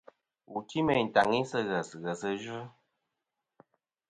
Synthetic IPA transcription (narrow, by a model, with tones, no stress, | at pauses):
u˨ti˦mɛ˨ta˨ŋi˦sə˦ɣə˨sɣə˨sə˦ʒɨ˦